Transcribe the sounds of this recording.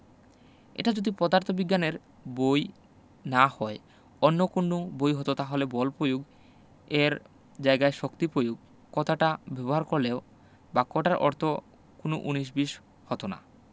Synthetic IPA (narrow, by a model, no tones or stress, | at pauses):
ḛʈad͡ʑod̪ipɔd̪aɾt̪ʰobiɡːaneɾ | boj | nahɔe | ɔnːokoɳɖubojɦot̪ot̪aɦolebɔlpojuɡ | eɾ | d͡ʑaeɡaeʃokt̪ipɾojuɡ | kɔt̪ʰaʈabɛboɦaɾkoɾleo | bakːoʈaɾʔɔ̰ɾt̪ʰo | konoʔuniʃ̬biʃ | hɔt̪ona̰